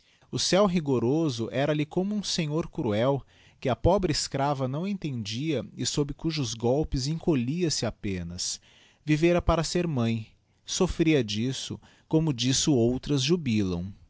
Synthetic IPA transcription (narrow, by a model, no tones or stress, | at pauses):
ʊsɛwɦiɡoɾozʊʔɛɾɐlɪkõmʊũsẽɲoɾkɾuɛw | kɪɐpɔbɾɪiskɾavɐnɐ̃w̃ẽnt̪ẽnd͡ʒiɐɪsobɾɪkuʒʊzɡɔwpɪzẽŋkoliɐsɪapẽnɐs | viveɾɐpaɾɐseɾmɐ̃j̃ | sofɾiɐd͡ʒisʊ̰ | kõmʊd͡ʒisʊowt̪ɾɐzʒubilɐ̰̃w̃